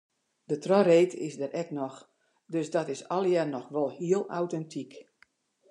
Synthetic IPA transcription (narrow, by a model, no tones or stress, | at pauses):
dətrɔreːtɪ̰zdəɾɛknɔx | døsdɔtɪsɔlˠjɛrnɔxʋɔlˠhiəlˠa̰wtɛntʰik